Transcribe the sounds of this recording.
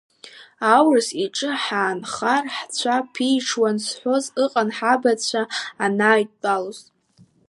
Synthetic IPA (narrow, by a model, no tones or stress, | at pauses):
awrɨsiʈ͡ʂʼɨħaːnχarħt͡ɕʷʰapʰiʈ͡ʂʰwansħʷo̞zɨqʼanħabat͡sʷʰaːnaːɥtːʼalozʼ